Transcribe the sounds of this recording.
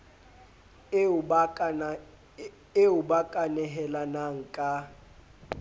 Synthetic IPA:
eubakʼanɛɦɛlanaŋ̩kʼa

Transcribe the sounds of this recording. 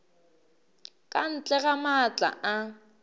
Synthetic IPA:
kʼan̩t͡ɬʼɛɣamat͡ɬʼa̰ʔa

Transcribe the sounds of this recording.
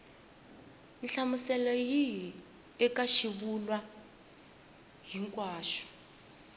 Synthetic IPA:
iɬamusɛlɔjiɦi | ɛkaʃiβulwa | ɦiŋkʼwaːʃɔ̥

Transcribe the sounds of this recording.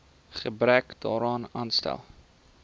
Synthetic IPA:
χəbɾækdɑːɾɑːnɑːnst̪ɛ̰lˠ

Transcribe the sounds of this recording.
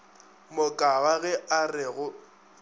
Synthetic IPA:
mʊkʼawaɣɛarɪɣʊ

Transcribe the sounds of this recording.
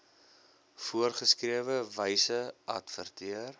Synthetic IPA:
fuərχəskriəvəvəjsəʔɐ̰tfərtʰiər

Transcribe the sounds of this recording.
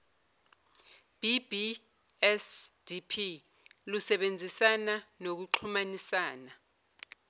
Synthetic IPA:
b̥ʱibʱi | ɛsd̥ipʰi | lusɛɓend͡zʱisananok̬uǃʰumanisaːna

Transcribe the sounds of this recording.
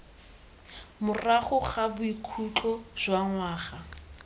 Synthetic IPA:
mʊraχʊχabʊikʰut͡ɬɔz̥waŋwaːχa

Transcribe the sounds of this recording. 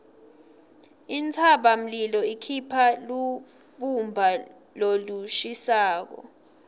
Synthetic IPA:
int͡sʰaɓam̩lilɔikʰipʰalu | ɓumbʱa | loluʃisaːk̬ɔ̰

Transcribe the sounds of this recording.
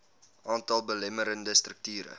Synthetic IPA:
ʔɑːntɐlˠbəlɛməɾəndəstrək̚tyːɾə̰

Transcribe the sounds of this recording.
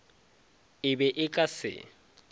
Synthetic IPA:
ɪbɛʔɪkʼasɪ̰

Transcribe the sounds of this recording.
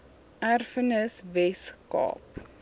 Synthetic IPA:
ʔærfənəsvɛskɑ̰ːp

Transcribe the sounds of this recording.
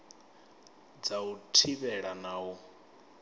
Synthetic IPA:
d͡zautʰiβɛɺanaːu

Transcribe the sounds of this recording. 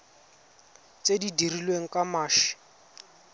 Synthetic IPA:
t͡sedidirilweŋ̩kamaːʃɪ̥

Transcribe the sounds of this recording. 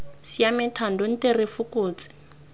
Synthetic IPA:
sijamɪtʰandɔn̩terɪfukuːt͡sʼɪ̥

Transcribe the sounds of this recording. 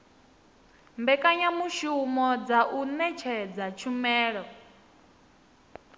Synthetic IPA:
mbɛkʼaɲamuʃumɔd͡zaʔunɛt͡ʃʰɛd͡zat͡ʃʰumɛːɺɔ

